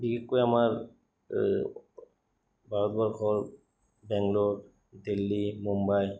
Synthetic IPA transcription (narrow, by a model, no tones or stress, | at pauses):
bikɛkːojamaɹ | bʱaɹɔtbɔɹxʰɔɹ | bɛŋlod | dilːimumbaj